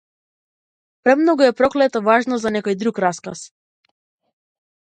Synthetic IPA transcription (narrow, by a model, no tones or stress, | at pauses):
pɾɛmnɔɡuɛpɾɔklɛt̪ɔvaʒnɔzanɛkɔjd̪ɾukɾaska̰s